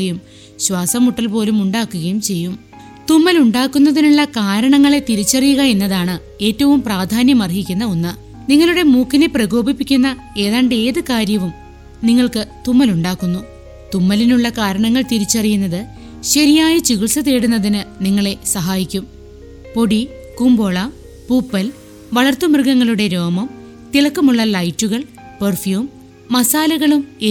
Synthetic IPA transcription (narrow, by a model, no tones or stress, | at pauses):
ɐjum | ɕwaːsɐmuʈːɐlpo̞ːlumuɳɖaːkːuɣɐjumt͡ɕe̞jːum | t̪umːɐluɳɖaːkːunːɐðinuɭːɐkaːɾɐɳɐŋːɐɭe̞t̪iɾit͡ɕːɐrijuɣɐe̞nːɐðaːɳɨ | e̞ːtːɐʋumpraːd̪ʱaːnjɐmɐrɦikʲːunːɐonːɨ | niŋːɐɭuɽe̞muːkːine̞prɐɣo̞ːbipːikʲːunːɐ | e̞ːðaːɳɖe̞ːðɨkaːɾjɐʋum | niŋːɐɭkɨt̪umːɐluɳɖaːkːunːu | t̪umːɐlinuɭːɐkaːɾɐɳɐŋːɐɭt̪iɾit͡ɕːɐrijunːɐðɨ | ɕɐɾijaːjɐt͡ɕiɣiɭsɐðeːɽunːɐðinɨniŋːɐɭe̞sɐɦaːjikʲːum | po̞ɽi | kumboːɭɐm | puːpːɐl | ʋɐɭɐrt̪umrɨɡɐŋːɐɭuɽe̞ɾo̞ːmɐm | t̪iɭɐkːɐmuɭːɐlɐjtːuɣɐɭ | pɐrfjuːmː | ɐsaːlɐɣɐɭume